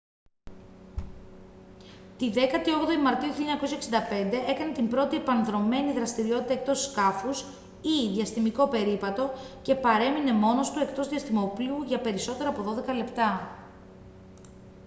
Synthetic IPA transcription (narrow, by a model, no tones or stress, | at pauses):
t̪iðe̞kɐt̪io̞ɣðoimɐɾt̪iuçiʎɐɲɐko̞s̬ɐeksind̪ɐpe̞nd̪e̞ʔe̞kɐne̞t̪imbɾo̞t̪ie̞pɐnðɾo̞me̞niðɾɐst̪iɾio̞t̪it̪ɐek̚t̪o̞sːkɐfus | iðʝɐsθimiko̞pe̞ɾipɐt̪o̞ce̞pɐɾe̞mine̞mo̞no̞st̪ue̞kt̪o̞zðiɐst̪imo̞pliuʝɐpe̞ɾiso̞t̪e̞ɾoɐpo̞ðo̞ðe̞kɐle̞pt̪ɐ